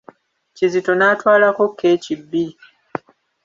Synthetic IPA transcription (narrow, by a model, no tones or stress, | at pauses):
cizito̞naːtwaːlako̞kʰːe̞ːcibːi